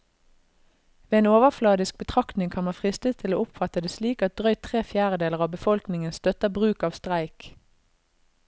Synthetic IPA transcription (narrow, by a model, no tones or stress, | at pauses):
ʋeːeːnoːʋəflɑːd̪ɪsk̚bət̪ʰʁɑkt̪nɪŋkʰɑnmɑnfʁɪst̪ət̪ʰːɪloːʊpfɑt̪əd̪eːsliːkɑt̪̚d̪̥ʁœʏt̪ʰʁeːfjæːʁəd̪eːləʁɑːbəfɔlknɪŋənst̪œt̪əbʁʉːkɑːʋst̪ʁæɪk